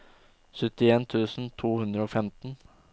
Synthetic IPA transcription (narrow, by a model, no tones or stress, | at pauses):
sʏt̪ɪeːnt̪ʰʉːsn̩t̪ʰuːhʉnd̪ɾəoːfɛmt̪n̩